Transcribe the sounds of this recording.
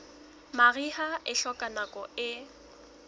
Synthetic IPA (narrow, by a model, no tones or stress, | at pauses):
marihaʔɪɬɔkʼanakʼɔɪ